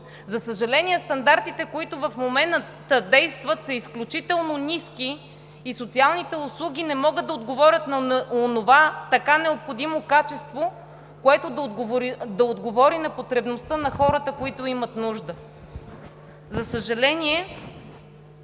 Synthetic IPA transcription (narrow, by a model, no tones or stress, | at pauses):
zɐsəʒɐlɛniɛst̪ɐnd̪aɾt̪it̪ɛkoit̪ʊvɐfmomɛn | t̪əd̪ɛjst̪vət̪səisklʲut͡ʃit̪ɛlˠnoniskiː | sot̪sialˠnit̪ɛʊslˠuɡ̟ʲinɛmɔɡəd̪ɐod̪ɡovɔɾʲət̪nɐonovat̪ɐkanɛopxod̪imokat͡ʃɛst̪vo | koɛt̪od̪ɐod̪ɡovɾd̪ɐod̪ɡovɔɾinɐpot̪ɾɛbnost̪ənɐxɔɾət̪əkoit̪oimət̪nuʒd̪ə | zɐsəʒɐlɛniɛ